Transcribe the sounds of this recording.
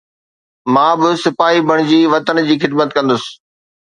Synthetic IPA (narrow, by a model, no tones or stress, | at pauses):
mãːbɪsɪpaːibʱɐɽ̃d͡ʑiːʋɐt̪ənd͡ʑiːxɪd̪mət̪kɐ̃nd̪ʊsɪ̥̆